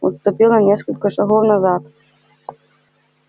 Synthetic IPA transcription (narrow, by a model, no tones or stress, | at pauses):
ṵst̪upʲilˠɐnʲɛskɐlʲkɐʂaɣɔwnazat̪